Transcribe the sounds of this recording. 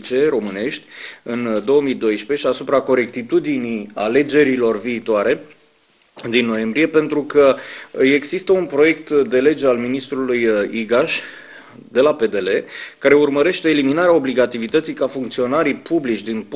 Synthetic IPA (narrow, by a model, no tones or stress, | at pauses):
t͡ʃe̞ro̞mɨne̞ʃt̪ʲɨnd̪o̞womid̪o̞jʃpe̞ʃiasupɾako̞ɾe̞kt̪it̪ud̪inijale̞d͡ʒe̞ɾilo̞rviːt̪oaɾe̞ | d̪inːo̞je̞mbɾie̞pe̞nt̪ɾukəe̞ɡsist̪əunpɾo̞je̞kt̪d̪e̞le̞d͡ʒe̞alminist̪ɾulujiɡaʃ | d̪e̞lape̞d̪e̞le̞kaɾe̞urməɾe̞ʃt̪e̞ːliminaɾeao̞bliɡat̪ivit̪ət̪sijkafuŋk̚t̪sio̞naɾipʰublit͡ʃd̪inp